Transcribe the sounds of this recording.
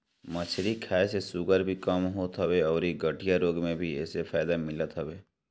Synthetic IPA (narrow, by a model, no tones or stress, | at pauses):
mət͡ʃʰɾikʰaːesesuɡəɾbʱikəmɦoːt̪ɦəweɔːɾiɡəʈʰijaɾoːɡmẽbʱiɛːsepʰaːɪd̪amɪlət̪ɦəbeː